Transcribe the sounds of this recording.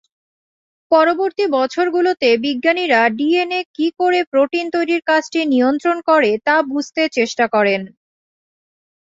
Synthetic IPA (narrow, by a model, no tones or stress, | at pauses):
pɔɾoboɾt̪ibɔt͡ɕʰoɾɡulot̪ebiɡːaniɾaɖienekikoɾepɾoʈint̪ojɾiɾkat͡ɕʰʈiniont̪ɾonkɔɾet̪abud͡ʑʱt̪et͡ɕeʃʈakɔɾen